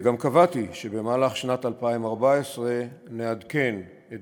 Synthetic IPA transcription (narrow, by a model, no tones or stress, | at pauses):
ɡamkavatiʃebe̞maːlaχʃnatalpaimaʁbaesʁenead̪ke̞n | et